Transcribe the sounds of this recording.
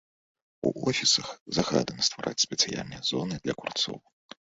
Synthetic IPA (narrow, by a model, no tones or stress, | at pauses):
ṵʔɔfʲisɐxzaɣad̪ɐnɐst̪vaɾʔat͡sʲsʲpʲɛt̪sɨja̰lʲnɨjɐzɔnɨd̪lʲɐkurt̪sɔ̰w